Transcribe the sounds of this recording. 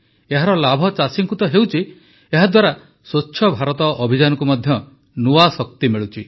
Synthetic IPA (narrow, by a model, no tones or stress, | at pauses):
eɦaɾɔlabʱɔt͡ʃasiŋkut̪ɔɦewt͡ʃʰi | eɦad̪waɾa | sot͡ʃːʃʰɔbʱaɾɔt̪ɔʔɔbʱid͡ʒanɔkumɔd̪ʱjɔ | nuasɔk̚t̪imeɭut͡ʃʰi